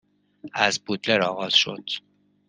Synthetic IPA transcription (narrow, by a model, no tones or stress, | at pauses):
æzbut̪leɾɒːɣɒːz̥ʃo̞̰d̪̥